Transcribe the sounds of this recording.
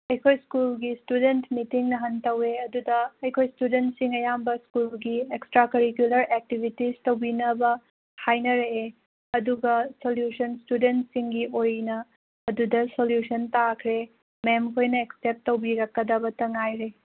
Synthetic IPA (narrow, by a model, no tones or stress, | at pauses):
ɐjkʰojskulɡistudentmitiŋnɐɦɐntɐweɐdudɐɐjkʰojstudentsiŋɐjambɐskulɡiekstɾakɐɾikjulɐɾek̚tibʱitistɐwbinɐbɐ | hajnɐɾee | ɐduɡɐsoljusɐnstudentsiŋɡiʔojnɐ | ɐdudɐsoljusɐntakʰɾe | memkʰojnɐeksep̚tːɐwbiɾɐkːɐdɐbɐtɐŋajɾe